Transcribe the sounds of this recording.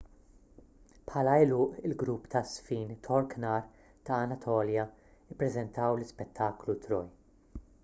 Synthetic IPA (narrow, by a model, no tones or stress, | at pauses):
pħɐːlɐɛlʊːʔɪlɡɾuːpːt̪ɐsfiːnt̪ʰɔɾknɐɾ | t̪ɐːnɐt̪ʰɔːljɐɪpːɾɛzɛnt̪ɐwlɪspɛt̪ʰːɐːklut̪ɾɔj